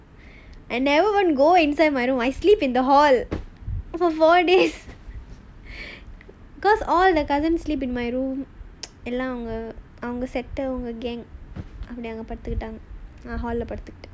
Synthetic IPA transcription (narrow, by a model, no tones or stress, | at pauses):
ɛ̃nɖɛʋəɾʋɐ̃nɡoːɪ̃nsaɪɖmaɪɾũːmaɪsliːpɪ̃nd̪ɐɦɔːl | fɔɾfoːɾɖeːs | bɪkɔːsɔːld̪ɐkɐzənsliːp̬ɪ̃nmaɪɾũːmɛlːãːɐʋɐŋɡɐ | ɐʋɐŋɡɐsɛʈːɐʋʊŋɡɐɡɛ̃ːŋɡʔɐpːɐɽinaːŋɡɐpɐɽɪt̪ːɯkːɪʈːaːŋɡɐãːɦɔːlɪlɐpɐɽɯt̪ːɯkːɪ̥ʈː